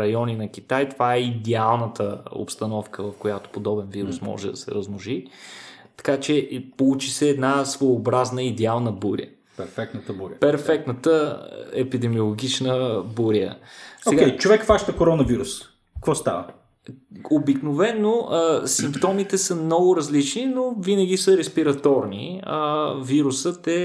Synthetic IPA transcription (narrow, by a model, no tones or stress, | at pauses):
ɾɐjɔninɐk̟ʲit̪ajt̪ovaɛid̪ɛalˠnət̪əo̰pst̪ɐnɔfkəvɐfkojat̪o̥pod̪ɔbɛnviɾṵsmɔ̰ʒɛd̪ɐ̰sɛ̰ɾəznʊʒi | t̪ɐ̥kat͡ʃɛpolˠut͡ʃisɛːd̪nasvojobɾaznəid̪ɛalˠnəbuɾḭə̰ | pɛɾfɛk̚t̪nət̪əbuɾpɛɾfɛk̚t̪nət̪əɛpid̪ɛmiolˠoɡʲit͡ʃnəbuɾiə̰soɛɡaɛjt͡ʃovɛkfvaʃt̪əkoɾɔnəviɾus | kkvɔst̪a̰və | obiknovɛnːoʔəsimpt̪ɔmit̪ɛsəmnɔɡʊɾɐzlit͡ʃninovinəɡ̟ʲisəɾɛspiɾɐt̪ɔɾnḭəviɾusət̪ɛ